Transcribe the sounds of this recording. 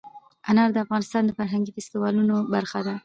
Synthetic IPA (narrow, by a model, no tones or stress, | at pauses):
anɑɾd̪əafɣɑnɪst̪ɑnd̪əfaɾɦaŋɡifɪst̪ɪwɑlunobaɾxad̪a